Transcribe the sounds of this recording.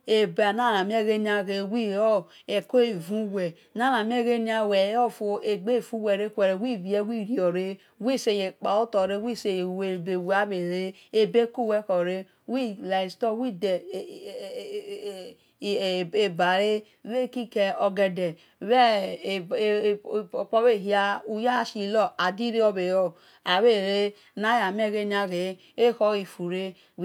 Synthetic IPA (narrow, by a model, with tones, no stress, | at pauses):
e˨bna˦˨na˨mi˦e˦ɣe˦ni˦a˨ɣe˨wi˦˨o˦ | e˨ko˦e˨vu˦wɛ˨ | na˦˨na˨mi˦e˦ɣe˦ni˦a˦˨wɛ˨˦o˦fo˨e˨ɡ͡be˦˨fu˦wɛ˨ɾe˦kʷɛ˨ɾe˨wi˦˨βi˨e˦wi˦˨ɾi˨o˨ɾe˦ | wi˦se˨je˨k͡pa˨o˦tɔ˨ɾe˦wi˦se˨je˨we˨be˨wa˦βe˨ɾe˦ | e˦be˦ku˦˨we˦kɔ˨ɾe˦ | wi˦la˨stɔ˦wi˦de˨ | e˨ba˨ɾe˦ | we˦˨ki˦kɛ˧ɔ˧ɡɛ˧dɛ˨ | wɛ˦˨ | pɔ˦βe˦˨ɦi˦a˧u˧ja˦˨ʃi˨lɔ˦˨a˨di˦ɾi˦ɔ˧be˨jo˨ | a˨βe˦˨ɾe˦ | na˨˦ja˨me˦˨ɣe˦n˦a˨ɣe˨˦ | e˦hɔ˦ɣi˨fu˨ɾe˦